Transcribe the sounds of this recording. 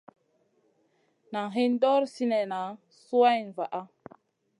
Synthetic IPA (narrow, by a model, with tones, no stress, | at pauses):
na˨ŋɦi˦n˦do˦ɾsi˦ne˨na˨ | su˦wa˦jn˨va˨ʔa˦